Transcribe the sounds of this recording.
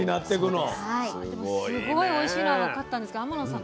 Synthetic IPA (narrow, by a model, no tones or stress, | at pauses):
inat̪ːe̞kɯ̟nohaid̪e̞mossɨɡoio̞iɕiːnaaβakat̪ːãndesɨkeamanosã